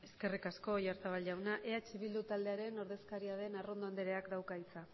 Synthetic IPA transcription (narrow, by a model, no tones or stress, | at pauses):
e̞ske̞rikasko̞jaɾt̪aβ̞alʝawnaʔe̞at͡ʃiβild̪ut̪ald̪e̞aɾe̞no̞ɾðe̞skaɾiaðe̞naro̞nd̪oand̪eɾeakd̪awkait͡sa